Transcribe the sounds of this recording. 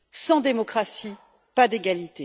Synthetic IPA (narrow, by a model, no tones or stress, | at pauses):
sɑ̃d̪emɔkχasi | pad̪eɡalit̪e